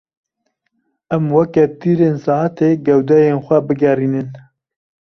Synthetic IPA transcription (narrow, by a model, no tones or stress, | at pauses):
ʔæmwɛkɛt̪iːɾeːnsɑːat̪ʰeɡɛwd̪ɛjeːnxʷɛbɨɡɛriːnɨn